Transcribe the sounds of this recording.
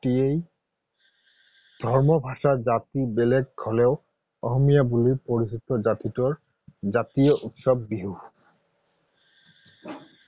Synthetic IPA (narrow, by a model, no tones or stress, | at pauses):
iej | d̪̥ʱɔɹmɔbʱaʃazat̪ibeleɡ̚ɡʰʱɔlɛʊ | ɔxɔmijabulipoɹisit̪ɔzat̪itɔɹ | zat̪ijɔʔut̪sɔbːiɦu